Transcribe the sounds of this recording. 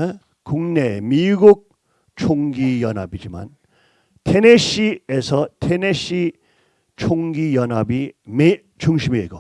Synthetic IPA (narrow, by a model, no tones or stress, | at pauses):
kuŋnemiɡuk̚ | t͡ɕʰoŋɡijʌna̰bid͡ʑima̰n | tʰeneɕiesʰʌtʰeneɕʰi | t͡ɕʰoŋɡijʌnabime | t͡ɕuŋɕʰimieɡo̰